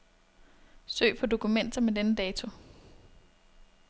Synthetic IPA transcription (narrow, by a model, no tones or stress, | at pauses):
sø̰ːpʰɒ̽d̥o̝kʰumen̰d̥ɐmedenəd̥ɛːt͡sʰo̝